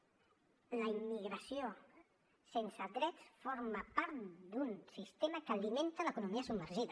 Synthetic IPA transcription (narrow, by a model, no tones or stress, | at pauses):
ləimːiɣɾəsio | sensəðɾɛsfoɾmapaɾt̪d̪unsist̪emakaliment̪ələkunumiəsubmːəɾʒiðə